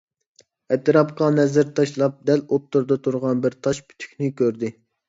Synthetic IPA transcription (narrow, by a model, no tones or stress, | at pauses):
ɛt̪ʰɾɑpqɑnɛzɪɾt̪ʰɑʃlˠɑp̚d̪ɛlot̪ːuɾd̪ɑt̪ʰuɾʁɑnbɪɾt̪ʰɑʃpʰy̥t̪ʰy̥kʲnɪkʲøɾd̪ɪ